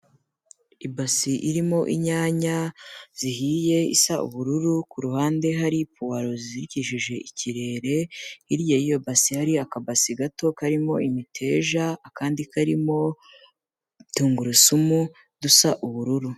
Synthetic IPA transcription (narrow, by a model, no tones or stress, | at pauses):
ibasiʔiɾimo̞ʔḭɲaːɲaz̥ihije̞isaṵβuɾuɾukuɾuhaːnde̞ɦaɾipuwaɾo̞ziziɾiciʃiʒe̞ʔiciɾe̞ɾe̞iɾjajijobasihaɾiakabasiɡato̞kaɾimo̞imitʰe̞ːʒaːkaːndikaɾimo̞ | tuːŋɡuɾusumu | d̥usaʔuβuɾuɾu